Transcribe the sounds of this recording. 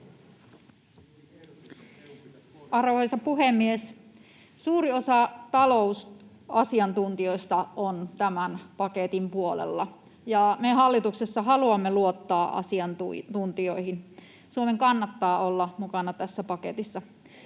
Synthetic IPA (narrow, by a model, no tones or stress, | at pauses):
ʔɑrʋoejsɑpuɦemːies | suːɾiosɑt̪ɑlo̞us | ɑsiɑnt̪unt̪io̞st̪ɑont̪æmænpɑket̪impuolḛlːɑ | jɑmeɦɑlːit̪uksesːɑɦɑluɑmːeluot̪ːɑːʔɑ̰siɑnt̪ut̪unt̪io̞ihin | suomeŋkɑnːɑt̪ːɑːolːɑmukɑnɑt̪æsːæpɑkḛt̪isːɑ